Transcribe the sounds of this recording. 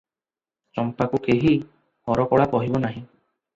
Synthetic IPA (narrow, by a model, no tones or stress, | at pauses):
t͡ʃɔmpakukeɦi | hɔɾɔkɔɭapɔɦibɔnaɦĩ